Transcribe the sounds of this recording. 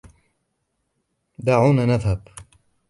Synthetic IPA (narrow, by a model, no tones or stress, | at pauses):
d̪aːʕuːnanaðhab